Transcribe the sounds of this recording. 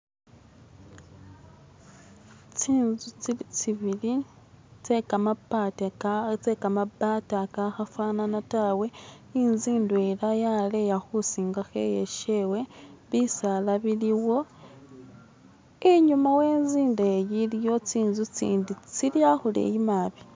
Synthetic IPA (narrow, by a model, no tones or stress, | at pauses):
t͡siːnzut͡siit͡siβili | t͡sekamapatt͡sekamabatakaxafwananatawe̞ | inziːndue̞lajale̞jaxusiːŋɡaxe̞̰jeʃewe̞βisalaβiliwo̞ | eɲumawe̞ːnziːndeːjiljo̞t͡siːnzut͡sḭːndit͡siljaxulḛjimaβi̥